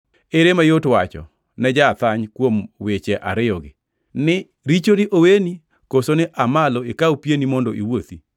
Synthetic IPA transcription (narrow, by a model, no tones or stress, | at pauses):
eɾemajotwat͡ʃɔ̰ | nɛd͡ʒat̪aɲkwomwet͡ʃeʔa̰ɾɪjɔɡɪ̰ | nɪ | ɾit͡ʃoɾiʔoweni | kosonɪʔamaloekaupjenimɔndɔʔiwot̪i